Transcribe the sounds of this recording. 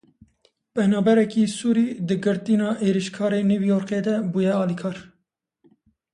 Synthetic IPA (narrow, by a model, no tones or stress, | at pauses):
pɛnɑːbɛɾɛkiːsuːɾiːd̪ɨɡɨɾt̪inɑːʔeːɾiʃkʰɑːɾeːnuːvjoːɾqed̪ɛbuːjɛɑːlikʰɑːɾ